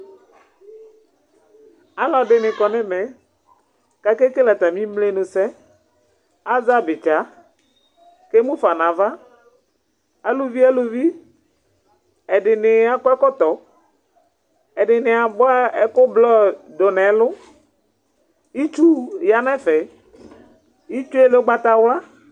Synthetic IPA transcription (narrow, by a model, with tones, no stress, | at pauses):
a˨lɔ˨ɖɪ˨nɪ˨kɔ˨nɪ̃˦mɛ˨˦ | ka˨ke˦ke˦la˨t̪a˨mĩ˦mle˦nʊ̃˨sɛ˦ | a˦za˦bɪ˨t͡ʃa˨˦ | ke˦mũ˦fa˨nã˨va˦ | a˨lʊ˨vi˦a˦lʊ˨vi˦ | ɛ˨dɪ˨nɪ˨a˦kʊ˦ɛ˦kɔ˦t̪ɔ˨ | ɛ˨dɪ˨nɪ˨a˨bʊ˦a˦ɛ˦kʊ˦blɔ˦dɔ˨nɛ˨˦lʊ˦ | i˦t͡ʃu˦ja˦nɛ̃˦fɛ˨˦ | i˦t͡ʃu˦ɛ˦le˦ɡ͡ba˦t̪a˨wla˦